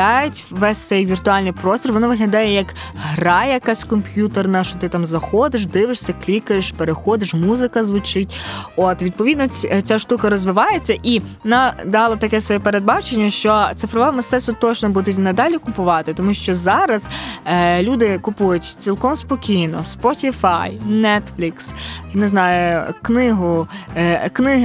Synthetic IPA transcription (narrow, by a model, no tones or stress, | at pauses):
ɑjʊtʲʋɛsʲt̪sɛjʋʲirt̪ʊɑlʲnɪjpɾɔst̪ʲɔrʋɔnɔʋɪɦlʲɐd̪ɑjɛjɐk | ɦɾɑjɐkɑsʲkɔmʲpʲjut̪ernɐʃt͡ʃɔt̪ɪt̪ɑmzɐxɔd̪ɪʃ̬d̪ɪʋɪʃsʲɐklʲikɐjeʃpeɾexɔd̪ɪʃmuzɪkɐzʋʊt͡ʃɪtʲɔt̪ʋʲid̪̚pɔʋʲid̪nɔt͡sʲaʃt̪ukɐɾɔzʋɪʋɑjet͡sʲːɐʔi | nɑd̪ɑlˠɐt̪ɐkɛsʋɔjɛpeɾed̪̚bɑt͡ʃenʲːɐʃt͡ʃɔt̪sɪfɾɔʋɛmɪst̪ɛsʊt̪ɔt͡ʃnɔbud̪ʊtʲnɐd̪ɑlʲikʊpʊʋɑt̪ɪt̪ɔmuʃt͡ʃɔzɑɾɐz̥ | lʲud̪ɪkʊpujʊtʲt͡sʲilˠkɔmspɔkʲijnɔspɔtʲifɑjnɛt̪flʲiksjneznɑjʊknɪɦʊ | knɪɦ